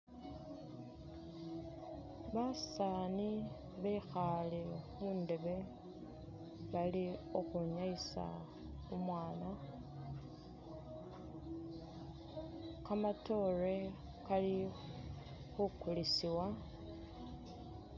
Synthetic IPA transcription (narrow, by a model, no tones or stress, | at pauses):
βasaːni | βeixalemuːnde̞βe̞ | βalio̞xuɲaisa̰ | umwaːna | kamato̞re̞ | kali | xukulisiwa